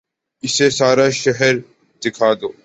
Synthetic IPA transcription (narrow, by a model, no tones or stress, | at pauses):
ɪsesaːɾaʃəɦəɾ | d̪̥ɪkʰaːd̪oː